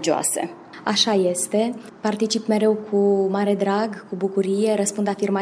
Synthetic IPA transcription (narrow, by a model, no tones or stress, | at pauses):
d͡ʒioa̰sḛ | a̰ʃaje̞st̪e̞ | part̪it͡ʃipme̞ɾe̞wkʰumaɾe̞d̪ɾaɡkubukuɾije̞ɾəspund̪afirma